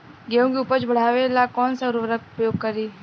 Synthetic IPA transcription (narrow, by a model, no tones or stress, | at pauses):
ɡeõkeʊpəɾt͡ʃbɐɽ̤aːʋelakɔːnsaɾʋɾəkʊpɾəjoːɡ̚kɐɾiː